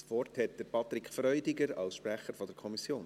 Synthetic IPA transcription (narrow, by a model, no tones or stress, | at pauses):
svɔrthɛt̚d̥əɾpʰɑt̪ɾɪkfɾœʏdɪɡəɾɑ̰lsʃpɾæχəɾfɔdəɾkʰɔmisjoːn